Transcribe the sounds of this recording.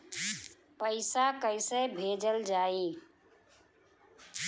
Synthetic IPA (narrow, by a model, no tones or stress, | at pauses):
pəɪsakəɪsəbʱed͡ʒəld͡ʒai